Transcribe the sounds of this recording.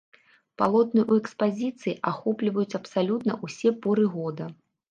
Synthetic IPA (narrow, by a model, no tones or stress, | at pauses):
palˠɔt̪nɨʔuɛkspazʲit̪sɨjiʔaxɔplʲivɐjut͡sʲɐpsalʲut̪nɐʔusʲɛpɔɾɨɣɔd̪ɐ